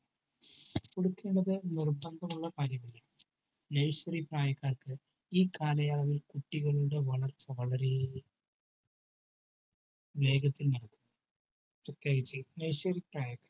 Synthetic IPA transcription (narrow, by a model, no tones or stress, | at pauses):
koɽukːe̞ːɳɖɐðɨnirbɐnd̪ʱɐmuɭːɐkaːɾjɐmilːɐ | nɐɻɕɐripraːjɐkːaːrkɨ | iːkaːlɐjaːɭɐʋilkuʈːiɣɐɭuɽe̞ʋɐɭɐrt͡ɕːɐʋɐɭɐɾe | ʋe̞ːɡɐt̪ːilnɐɽɐkːunː | sɐt̪jaːɣit͡ɕːɨnɐɻɕʋɐripraːjɐkːaːr